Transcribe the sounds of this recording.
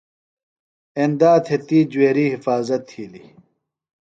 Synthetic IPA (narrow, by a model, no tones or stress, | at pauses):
end̪aːt̪ʰet̪iːd͡ʑueːɾiːɦifaːzɐt̪ʰːiːli